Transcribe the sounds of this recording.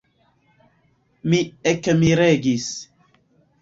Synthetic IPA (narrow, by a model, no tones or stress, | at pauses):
miɛkːemiɾeɡis